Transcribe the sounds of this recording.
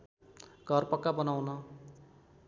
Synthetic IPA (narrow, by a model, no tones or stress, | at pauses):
ɡ̥ʱʌrpʌkːabʌnawnʌ